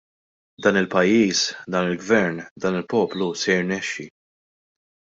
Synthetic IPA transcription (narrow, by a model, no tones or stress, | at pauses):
d̪ɐːnɪlpɐjːiːsd̪ɐːnɪlɡvɛɾnd̪ɐːnɪlpɔːplusɛjɪɾnɛʃːḭ